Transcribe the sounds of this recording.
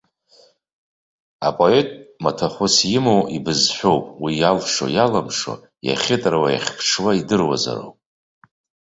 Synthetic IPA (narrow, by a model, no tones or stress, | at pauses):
apʼoetʼmatʰaχʷʊsjɪmowibɨzħʷᶣowpʼwijalʂo̰jalamʂo̰ | ja̰χʲɪtʼrwaja̰χʲpʰʂʰwaidɨrwa̰za̰ɾo̰wpʼ